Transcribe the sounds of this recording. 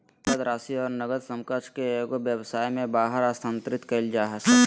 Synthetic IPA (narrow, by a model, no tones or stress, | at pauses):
təd̪ɾaːsiɔːɾnəɡəd̪sə̃mkət͡ʃkeɡobjəwsaːjmẽbaːɦəɾaːst̪ʰãːnt̪ɾɪt̪kəld͡ʒaːɦəs